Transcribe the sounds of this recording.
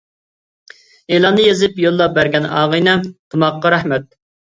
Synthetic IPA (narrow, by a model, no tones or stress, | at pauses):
eːlˠɑnːɨjezɪpjolˠːɑbæɾɡʲɛnɑ̰ːʁɨjnɛt̪ʰɑmɑqːɑɾæhmɛt̪̚